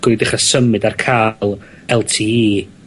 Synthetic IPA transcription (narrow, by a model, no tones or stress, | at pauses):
ɡ̥ʊɨdɪχasəmɨdarkʰaːlˠ | ɛlˠtʰiːiː